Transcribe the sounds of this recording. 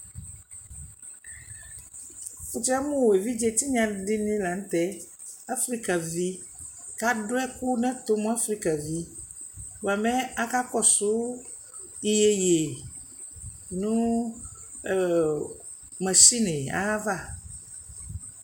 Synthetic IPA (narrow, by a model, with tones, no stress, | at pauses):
fu˨t͡ʃa˦mũ˦wwe˨vi˦d͡ʒe˨t̪i˦ɲã˨ɖi˦nĩ˦la˨n̩˦t̪ɛ˦ | a˦fɾi˦ka˨vi˦ | ka˦ɖo˦ɛ˦ku˦nɛ̃˦t̪o˦mũ˦a˦fɾi˦ka˨vi˦ | wo˨a˨mɛ̃˦a˦ka˦kɔ˦sʊ˨˦ | i˦je˨je˨ | nũ˦˨ | mɛ̃˨ʃi˦nẽ˨a̰˦va˦˨